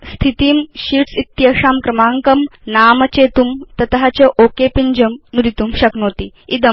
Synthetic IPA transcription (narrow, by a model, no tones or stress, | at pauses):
st̪ʰit̪iːmɕiʈsit̪jɐʂaːmkɾɐmaŋkɐmnaːmɐt͡ɕet̪umt̪ɐt̪ɦat͡ɕəʔokepind͡ʑəmnuɾit̪umɕɐknoːt̪i | id̪ə